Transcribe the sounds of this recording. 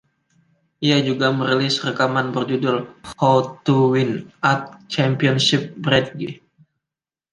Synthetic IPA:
ʔiad͡ʒuɡaməɾilɪsrəkamanbərd͡ʒudʊlhɔt̪uwinʔat̪̚t͡ʃɛmpiɔnsip̚bɾɛd̚ɡi

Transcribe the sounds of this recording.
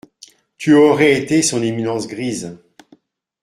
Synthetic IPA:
t̪ʰyoʁɛet̪esɔ̃neminɑ̃sɡʁiːz

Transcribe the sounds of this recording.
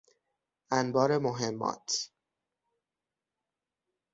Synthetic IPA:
ʔænbɒːɾe̞moɦemːɒ̰ːt̪ʰ

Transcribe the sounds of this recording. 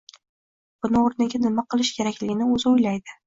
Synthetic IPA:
b̥ʊnɪoɾnɪɡʲanɪmaqʰɨlˠɪʃkʲʰe̞ɾakʲlɪɡʲɪnɪɵzɪʊjlajd̪ɪ

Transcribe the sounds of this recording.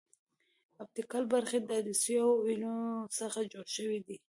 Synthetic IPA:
ab̚t̪ikɑlbaɾxed̪ad̪əsjainosəxad͡ʒoɽʃəwid̪i

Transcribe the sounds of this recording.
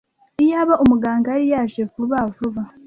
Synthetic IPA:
ijaβaʔumuɡaːŋɡaɾijaʒekuβavuβa

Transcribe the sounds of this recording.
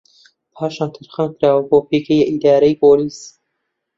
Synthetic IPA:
pʰaːʃaːnt̪ʰɨɾχəmkʰɾaːwɐboːpʰeːkejʔid̪aːɾɐjpoːliːs

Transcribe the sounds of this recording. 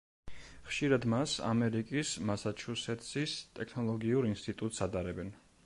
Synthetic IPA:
χʃiɾad̪masa̰mɛɾikʼismasat͡ʃʰusɛt̪sist̪ʼɛkʰnɔlˠɔɡiuɾinst̪ʼit̪ʼut̪ʼsat̪ʼaɾɛbɛn

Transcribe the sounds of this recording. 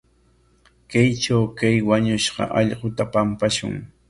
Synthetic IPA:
kajt͡ʃawkajwaɲʊʃɢɑ̰ʔɑʎɢot̪apampaʃʊ̰ŋ

